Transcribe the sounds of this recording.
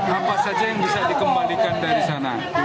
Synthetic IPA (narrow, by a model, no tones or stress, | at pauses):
apasad͡ʒajaŋbisadikəmbalikandaɾisana̰